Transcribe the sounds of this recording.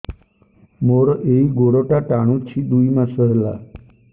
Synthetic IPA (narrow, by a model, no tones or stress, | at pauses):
moɽeiɡoɽoʈaʈaɽ̃ũt͡ɕʰid̪uimãsəɦla̰